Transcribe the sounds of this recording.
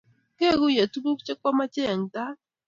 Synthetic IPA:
ke˦˨ɡu˦je˨tu˦bu˦kt͡ʃe˦kɔ˦ma˦t͡ʃe˦a˨ŋ˨ta˦

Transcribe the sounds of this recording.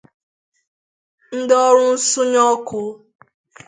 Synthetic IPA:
n̩˦dɔ˦ɾʊ˦n̩˦sʊ˦ɲɔ˦kʊ˦

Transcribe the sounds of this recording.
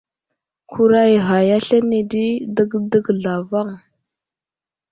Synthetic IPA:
kʰu˦ɾa˦jɣa˨ja˦ɬa˦ni˨di˦də˦ɡdə˦ɡɮa˨va˦ŋ

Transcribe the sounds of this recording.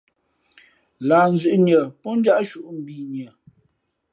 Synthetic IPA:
laː˨n̩˦zʉ˨ʔɲə˨pɔ˦n˦d͡ʒa˦ʔʃu˦ʔm̩˨biː˨ɲə˨

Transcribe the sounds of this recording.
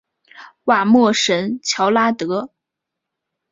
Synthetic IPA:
wa˥˩mwɤ˥˩ʂə˧˥nt͡ɕʰjɑ˧˥ʊla˥t̪ɤ˧˥

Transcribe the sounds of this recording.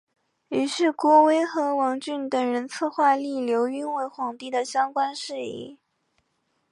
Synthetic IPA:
y˨˩ʂɻ̩˥˩kwɔ˥we˥ɪxɤ˧˥wɑ˧˥ŋt͡ɕy˥˩nt̪ə˨˩ŋɻə˧˥nt͡sʰɤ˥˧xwa˥˧li˥˩ljo˧˥ʊy˥nwe˧˥˩ɪxwɑ˨˩ŋt̪i˥˩d̪ə˨ɕjɑ˥ŋkwa˥nʂɻ̩˥˧ḭ˥˩

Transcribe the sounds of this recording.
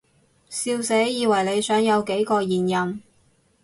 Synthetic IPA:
siː˧wsɛ˨˥jiː˨˧wɐ˨˩jle˨˧jsœː˨˥ŋjɐ˨˧wke˨˥jkɔː˧jiː˨˩njɐ˨n

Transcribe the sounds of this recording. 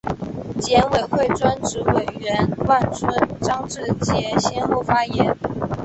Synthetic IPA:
t͡ɕjɛ˧˥nwe˨˩ɪxwe˥˩ɪʈ͡ʂwa˥nʈ͡ʂɻ̩˧˥we˨˩ɪɥɛ˧˥nwa˥˩nt͡sʰwə˥nʈ͡ʂɑ˥ŋʈ͡ʂɻ̩˥˩t͡ɕjɛ˨˩ɕjɛ˥nxo˥˩ʊfa˥jɛ˧˥n

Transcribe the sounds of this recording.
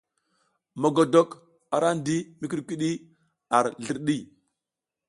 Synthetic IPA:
ma˨ɡo˨do˦k | a˨ɾa˦ndi˦mi˦k̬i˦ɗkʷi˦ɗi˦ | a˨ɾɮə˨ɾɗi˦˨

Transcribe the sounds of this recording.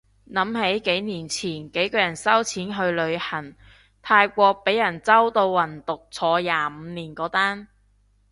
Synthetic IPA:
nɐ˨˥mhe˨˥jke˨˥jniː˨˩nt͡sʰiː˨˩nke˨˥jkɔː˧jɐ˨˩nsɐ˥wt͡sʰiː˨˥nɦɵ˧ɥlɵ˨˧ɥhɐ˨˩n | t̪ʰaː˧jkʷɔː˧k̚pe˨˥jːɐ˨˩nt͡sɐ˥wt̪o˧wwɐ˨˩nt̪ʊ˨k̚t͡sʰɔː˨˧jaː˨˧m̩ː˨˧niː˨˩nkɔː˨˥t̪aː˥n

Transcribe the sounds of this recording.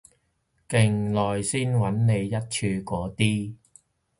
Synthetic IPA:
kɪ˨˩ŋlɔː˨˩jsiː˥nwɐ˨˥nne˨˧jːɐ˥t̚t͡ʃʰyː˧kɔː˨˧t̪iː˥

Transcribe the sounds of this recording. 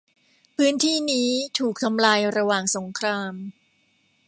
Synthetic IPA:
pʰɯː˦˥nt̪ʰiː˥˩niː˦˥t̪ʰuː˨˩k̚t̪ʰa˧mlaː˧jɾa˧waː˨˩ŋso˩˦ŋkʰɾaː˧m

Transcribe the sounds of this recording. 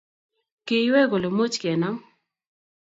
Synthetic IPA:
kɪ˨˦wɛ˦ɡo˨lo˨mo˦t͡ʃkɛ˨na˦ŋ

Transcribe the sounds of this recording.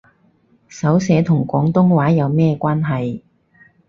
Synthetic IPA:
sɐ˨˥wsɛː˨˧t̪ʰʊ˨˩ŋkʷɔː˨˥ŋt̪ʊ˥ŋwaː˨˥jɐ˨˧wmɛː˥kʷaː˥nɦɐ˨j

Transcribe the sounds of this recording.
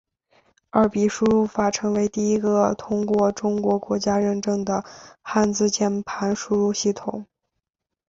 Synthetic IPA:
ə˞˥˩pi˨˥˩ʂu˥ɻu˥˩fa˨˩ʈ͡ʂʰɤ˧˥ŋwe˧˥ɪt̪i˥˩i˧˥ɡə˧t̪ʰʊ˥ŋkwɔ˥˧ʈ͡ʂʊ˥ŋkwɔ˧˥kwɔ˧˥t͡ɕja˥ɻə˥˧nʈ͡ʂɤ˥˩ŋd̪ə˩xa˥˧nt͡sɹ̩˥˧t͡ɕjɛ˥npʰa˧˥nʂu˥ɻu˥˧ɕi˥˩t̪ʰʊ˨˩˦ŋ

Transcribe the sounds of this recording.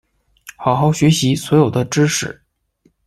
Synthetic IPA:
xɑ˨˩ʊxɑ˧˥ʊɕɥɛ˧˥ɕi˧˥swɔ˧˥jo˨˩ʊd̪ə˦ʈ͡ʂɻ̩˥ʂɻ̩˨˩˦

